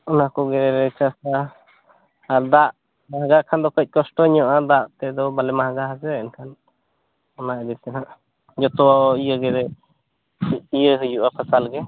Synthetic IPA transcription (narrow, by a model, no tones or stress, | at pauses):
ɔnakɔɡɛɾɛɾɛt͡ʃasa | ɾd̪aʔ | maɦɡakʰand̪ɔkəc̚ˀkɔsʈɔɲɔʔad̪aʔt̪ɛd̪ɔbalɛmaɦɡaɦad͡ʒɛʔɛnkʰan | ɔnaʔɛd̪it̪anaʔ | d͡ʒɔt̪ɔwaɔijəɡɛɾɛ | ijəɦujuʔapʰasalɡɛ